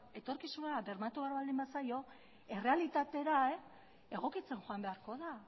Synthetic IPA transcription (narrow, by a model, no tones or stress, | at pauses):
e̞t̪o̞ɾkisunaβe̞ɾmat̪uβaɾβald̪imbasajo̞ | e̞re̞alit̪at̪e̞ɾae | e̞ɣ̞o̞kit͡se̞ŋxoambe̞aɾko̞ða